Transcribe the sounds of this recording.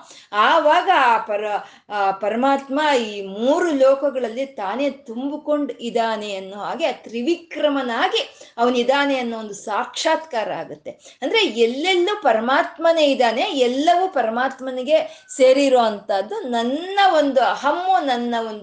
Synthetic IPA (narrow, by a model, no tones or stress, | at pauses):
aːʋaːɡɐaːpɐɾɐ | pɐɾɐmaːt̪maiːmuːɾulɔːkɐɡɐɭɐlːit̪aːne̞ːt̪umbiko̞ɳɖid̪aːneɐnːuːɦaːɡiɐt̪ɾiʋikɾɐmɐnaːɡiɐʋɐnid̪aːneɐnːuond̪usaːkʂaːt̪kaːɾɐa̰ːɡut̪ːe̞ɐnd̪ɐɾeɛlːelːupɐɾɐmaːt̪mɐneid̪aːne̞ɛlːɐʋuːpɐɾɐmaːt̪mɐniɡe̞seːɾiɾoːɐnt̪ɐd̪ːunɐnːɐʋo̞nd̪uɐɦɐmːunɐnːɐond̪